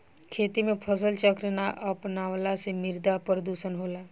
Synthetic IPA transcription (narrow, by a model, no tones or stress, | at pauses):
kʰeːt̪imẽpʰəs̬əlt͡ʃəkɾənaʔəpnaʋlasemɪɾd̪apɾəd̪usənɦola